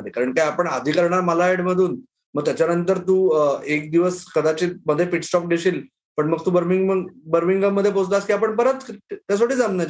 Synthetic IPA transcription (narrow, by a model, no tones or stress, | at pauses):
d̪ekaɾəɳkajapəɳad̪ʱiːkəɾɳaɾməlaeɽməd̪ʱuːn | məɡ̚t̪jat͡ɕjanənt̪əɾt̪uːek̚d̪iʋəskəd̪at͡ɕiːməd̪ʱːjepiʈsʈɔpɡeɕiːl | pəɳməɡ̚t̪uːbəɾmiŋɡəbəɾmiŋɡəmːəd̪ʱːjepod͡zlaskiːapəɳpəɾət̪t̪jas̬oʈiːd͡zamna